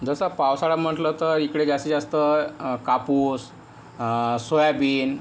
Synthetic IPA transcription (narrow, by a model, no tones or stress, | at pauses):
d͡zəsəpawsaɽam̤əʈlət̪əɾikɽeɡʱjasid͡zast̪əkapus | sojabiːn